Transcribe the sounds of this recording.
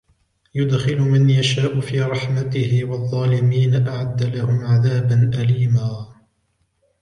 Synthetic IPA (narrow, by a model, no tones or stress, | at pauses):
jʊd̪xɪlmanjaʃaːʔʊfiːɾˤɑħmat̪ɪhɪwɑðˤːɑːlɪmiːnaʔaʕad̪ːalahʊmʕaðaːbanʔaliːmaː